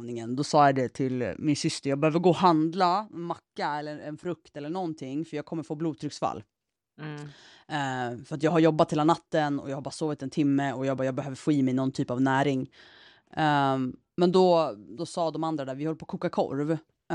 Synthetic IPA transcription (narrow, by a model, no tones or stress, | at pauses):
nɪŋənd̪ɔsɑːjad̪ɛt̪ʰɪlmɪnsʏst̪əɾjɑːɡ̚bɛhøːvəɾɡoːɦand̪laɛnmakːaɛlːəɛnfɾɵkt̪ɛlːəɳɔnt̪ʰɪŋːfœɾjɑːɡ̚kʰɔmːəɾfoːbluːd̪̚t̪ʰɾʏksfa̰lː | fœɾat̪jɑːɡɦaɾjɔbːat̪heːlanat̪ːənɔ̰jɑɡhabɑːɾasoːvɪt̪ɛnt̪ʰɪmːəɔjɑːɡbɑːjɑːɡ̚bɛhøːvəɾfiːmɛjnɔnt̪ʰyːpavnæːɾɪŋ | mɛnd̪ɔd̪ɔsɑːd̪ɔmand̪ɾad̪æːɾvɪhɔlːəpʰoːkʰuːkakʰɔ̰ɾv